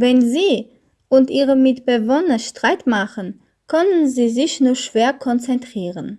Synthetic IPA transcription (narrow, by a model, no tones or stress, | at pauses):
vɛnziː | ʔʊntʔiːʁəmɪtb̥əvɔnɐʃtʁ̥aɪtmaχən | kʰœnənziːzɪçnuːɐʃv̥eːɐkʰɔnt͡sɛntʁ̥iːʁən